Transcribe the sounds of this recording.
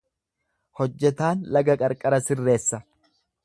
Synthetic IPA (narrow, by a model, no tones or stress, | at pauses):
hɔd͡ʒːɛt̪aːnlɐɡɐkʼɐɾkʼɐɾɐsɪrːe̞ːsːɐ